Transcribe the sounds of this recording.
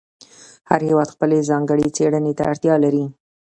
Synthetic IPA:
haɾhewɑd̪xpəlezɑŋɡəɽet͡seɽənet̪a̰aɽt̪jɑlaɾi

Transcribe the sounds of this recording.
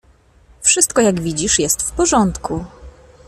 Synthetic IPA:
fʂɘst̪kɔjaɡvʲid͡ʑiʂjɛst̪fpɔʐɔnt̪ku

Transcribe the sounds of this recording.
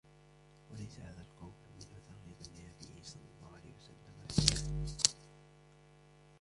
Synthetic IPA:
walajsahaːðalqɑwmmɪnhʊt̪ɑɣlɪbalːnabɪjsˤɑlːɑlˤːɑːhʊʕala̰jhɪwḁsalːamaʕa

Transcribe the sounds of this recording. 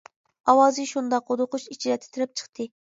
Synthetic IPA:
ɑwɑːzɨʃund̪ɑqod̪ʊqʊʃit͡ʃʰiɾɛt̪ʰɪ̥t̪ʰɪɾɪp̚t͡ʃʰə̥χt̪ʰɨ

